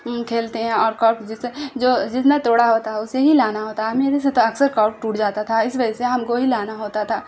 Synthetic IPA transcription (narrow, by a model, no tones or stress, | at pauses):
kʰeːlt̪eɦɛ̃ɔːɾkɔːɾkd͡ʒɪsed͡ʒoːd͡ʒɪt̪nat̪oːɽaɦoːt̪aɛʊseɦilaːnaɦoːt̪aɦmiɐd͡ʒɛset̪oɐksəɾkɔːɾ̚ʈuːʈd͡ʒaːt̪at̪ʰaɪsʋɐd͡ʒɛseɦɐmkoɦilaːnaɦoːt̪at̪ʰaː